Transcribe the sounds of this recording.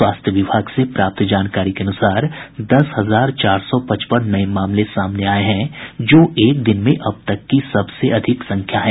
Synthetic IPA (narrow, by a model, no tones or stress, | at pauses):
waːst̪ʰjəʋɪbʱaːɡsepɾaːp̚t̪d͡ʒaːnkaːɾikeɐnʊsaːɾd̪ɐsɦɐzaːɾt͡ʃaːɾsɔpɐt͡ʃpənːɐemaːmlesaːmneaːeɦɛ̃d͡ʒoːʔeːk̚d̪ɪnmẽʔɐb̚t̪ɐkːisɐbseɐd̪ʱɪksɐ̃ŋkʰjaɦɛ̃ː